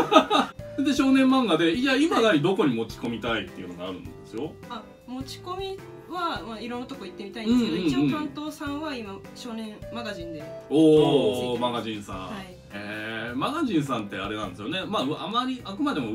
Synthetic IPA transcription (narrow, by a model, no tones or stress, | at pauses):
d̪eɕo̞ːnẽ̞mːãŋɡad̪e̞aimad̪aɾʲid̪o̞ko̞ɲ̟imo̞t͡ɕi̥ko̞mʲit̪ait̪ːe̞iɯ̟noɡaaɾɯ̟nd̪e̞sɨjo̞ | a | mo̞t͡ɕi̥ko̞mʲi | βamaiɾõ̞nːat̪o̞koit̪ːe̞mʲit̪aĩd̪ɯ̟ɨ̃eeõiiõt̪ãnt̪o̞ːsãɰ̃βaima | ɕo̞ːnẽ̞maɡaʑĩnd̪e̞oːmaɡaʑĩɰ̃sã̰ai | eːmaɡaʑĩɰ̃sãnt̪ːe̞aɾe̞nãnd̪esɨjo̞ne̞maɯamaɾʲiʔakɯ̟mad̪e̞mo̞